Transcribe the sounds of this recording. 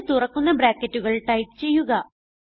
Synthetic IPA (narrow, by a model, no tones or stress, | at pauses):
t̪urɐkːunːɐbɾaːkːɐtːuɣɐɭʈɐjp̚t͡ɕe̞jːuɣɐ